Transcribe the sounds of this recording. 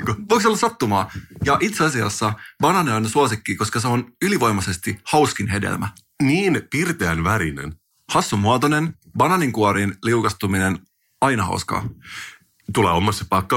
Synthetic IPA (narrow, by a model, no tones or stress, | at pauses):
ʋoiksolːsɑt̪ːumɑːjɑʔit̪seɑsiɑ̰sːɑbɑnɑneonsuosikːiko̞skɑseonyliʋo̞jmɑse̞st̪ihɑwskinɦe̞dḛlmæ | niːnpirt̪eænʋæɾinḛn | hɑsːumːuɑt̪one̞n | bɑnɑniŋkuoɾinliukɑst̪uminen | ɑinɑhɑ̰uskɑ̰ː | t̪ulḛːomɑsːepɑkːɑ